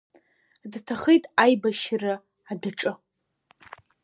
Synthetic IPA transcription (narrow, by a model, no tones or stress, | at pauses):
dtʰaχejtʼajbaʃrɨ | adaʈ͡ʂʼɨ